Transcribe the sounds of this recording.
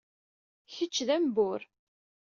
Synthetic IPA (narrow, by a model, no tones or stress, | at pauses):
çət͡ʃːðæmbʊɾ